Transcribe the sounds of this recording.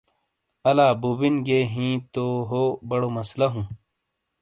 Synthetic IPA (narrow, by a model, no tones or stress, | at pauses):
ɐlaːbubinɡeːɦĩːt̪oɦobɐɽomɐslɐɦũː